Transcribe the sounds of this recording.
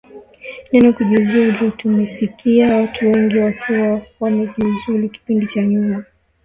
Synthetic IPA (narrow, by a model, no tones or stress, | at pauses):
nɛnɔkuʄizulutumɛsikiawatʰuwɛŋɡiwakʰiwawamɛʄizuluki̥pindit͡ʃaɲuma